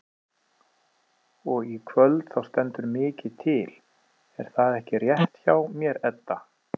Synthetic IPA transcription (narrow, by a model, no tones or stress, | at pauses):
ɔɣikʰvœlt̪θawst̪ɛnt̪ʏɾmɪːcɪt̪ʰɪl̥ | ɛ̰ɾ̥θaðɛhcɪrjɛht̪çawmjɛɾɛt̪ːa